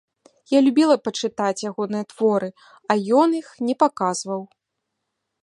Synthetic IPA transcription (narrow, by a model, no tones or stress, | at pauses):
jalʲubʲilˠɐpɐt͡ʂɨt̪at͡sʲjaɣɔnɨjɐt̪v̥ɔɾɨ | ɐjɔnixnʲɛpakaz̥vɐw